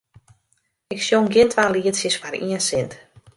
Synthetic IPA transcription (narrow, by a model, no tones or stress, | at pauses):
ɪksjoŋɡɪntʰʋaːliətsjəsfaɾḭənsɪnt